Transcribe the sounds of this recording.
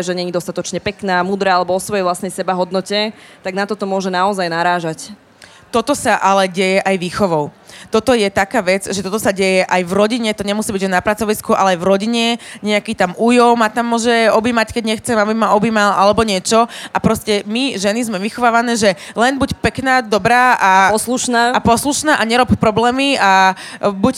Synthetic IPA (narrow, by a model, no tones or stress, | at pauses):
ʒɛɲɛɲid̪ɔst̪at̪ɔt͡ʃɲɛpɛknaːmuːd̪ɾaːalɛbɔɔsʋɔjɛjʋlasnɛjsɛbaɦɔd̪nɔcɛt̪aɡnat̪ɔt̪ɔmʊɔʒɛnaɔzajnaɾaːʒac | t̪ɔt̪ɔsaʔalɛɟɛjɛʔajʋiːxɔʋɔʊt̪ɔt̪ɔjɛt̪akaːʋɛd͡zʒɛt̪ɔt̪ɔsaɟɛjɛʔajvɾɔɟiɲɛt̪ɔɲɛmusiːbiɟɛnapɾat͡sɔʋiskuʔa̰lɛajvɾɔɟiɲɛɲɛakiːt̪amuːjɔʊmat̪amːʊɔʒɛɔbiːmackɛɟɲɛxt͡sɛmabimaɔbiːmalʔalɛbɔɲɪɛt͡ʃɔapɾɔscɛmiʒɛnizmɛʋixɔʋaːʋanɛːʒɛlɛnbucpɛknaːd̪ɔbɾaːʔaɔsluʃnaːapɔsluʃnaːʔaɲɛɾɔppɾɔblɛːmia | buc